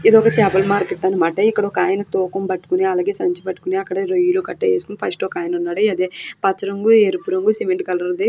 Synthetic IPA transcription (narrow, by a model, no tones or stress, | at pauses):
id̪ɔkɐt͡ʃɛːbɐlmaːɾkeʈːɐnɐmaːʈɐikːɐɽɐokaːjɐnɐt̪ɔːkɐmbɐʈːu̥kuniɐlaːɡe̞ːsɐɲt͡ʃipɐʈːu̥kuniɐkːɐɽɐɾojulukɐʈːɐjeːskunɖipʰɐsʈokaːjɐnɐunːaːɽiɐd̪eːpɐt͡ʃːɐɾɐŋɡueːɾupuɾɐŋɡusemeɳʈ̚kɐlɐɾd̪i